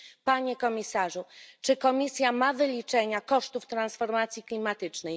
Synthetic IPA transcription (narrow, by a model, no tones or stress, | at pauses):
paɲekɔmʲisaʐut͡ʂɘkɔmʲisʲjamavɘlʲit͡ʂɛɲakɔʂt̪uft̪ɾansfɔɾmat̪sʲjiklʲimat̪ɘt͡ʂnɛj